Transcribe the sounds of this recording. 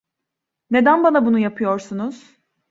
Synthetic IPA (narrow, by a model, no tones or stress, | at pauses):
ne̞d̪ænbanabunujapʰɯjoɾsunuz̥